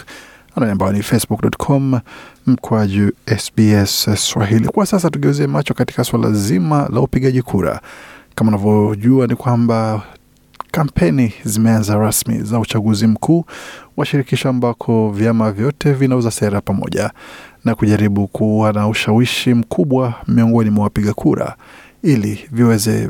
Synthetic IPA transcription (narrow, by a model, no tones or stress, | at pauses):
ananiambajɔnifɛsbuk̚ɗɔtkʰɔmm̩kʰuaʄuɛsbiɛsswaɦilḭkwasas̬atuɠɛuzɛamat͡ʃɔkati̥kaswala̰zimala̰upiɠaʄikʰuɾa̰kamaunavjɔʄuanikwamba | kampʰɛnizimɛanzaɾasmḭzaut͡ʃaɠuzim̩kʰuːwaʃiɾikiʃaːmbakʰɔvjamavjɔtʰɛvinauzasɛɾapamɔ̰ʄanakuʄaɾiɓukʰuwanauʃawiʃim̩kʰuɓwamiɔŋɡɔnimwawapiɠakʰuɾa̰ | iliviwɛzɛ